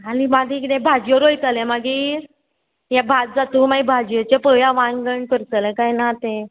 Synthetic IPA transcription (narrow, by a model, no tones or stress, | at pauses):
animad̪ʱikidẽbʱad͡ʑjəɾojt̪alɛ̃maɡiːɾ | jabʱat̪̚d͡zat̪uːmaibʱad͡ʑjət͡ɕepəjãʋãŋɡəɳkəɾt͡səlɛ̃kajnat̪ẽ